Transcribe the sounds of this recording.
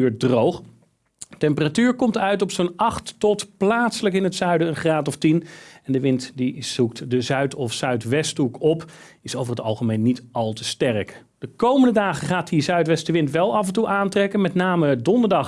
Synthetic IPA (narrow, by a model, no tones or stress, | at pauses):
yːɹ̚drowχ | tɛmpəratyːɹkɔmtœɥtɔpsonɑχtːɔtplaːtsələkɪnɦətsœɥdəənχraːtɔftinɛndəʋɪntdizuk̚tdəzœɥtɔfsœɥtʋɛstukɔp | ɪsowvəɹɦətɑ̰lˠχəmejnːitɑlˠtəstɛrk | d̥əkowməndədaːχəχaːt̚dizœɥtʋɛstəʋɪntʋɛlˠɑvɛntuʔaːntrɛkənmɛtnaːmədɔndəɹdɑχ